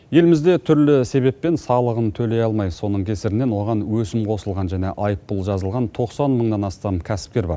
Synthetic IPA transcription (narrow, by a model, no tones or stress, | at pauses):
je̞lɪmɪzd̪e̞t̪ʰʏɾlɪse̞βe̞pːe̞nsɑlˠəʁənt̪ʰɵle̞jɑlˠmɑjso̞nəɴkʲʰe̞sɪɾɪne̞nwo̞ʁɑnwɵsɪmqʰo̞səlˠʁɑnʒæne̞ʔɑjəpːʊlˠʒɑzəlˠʁɑnt̪ʰo̞qsɑnməɴnɑnɑst̪ɑmkʲʰæsɪ̥p̚kʲe̞ɾbɑ̰ɾ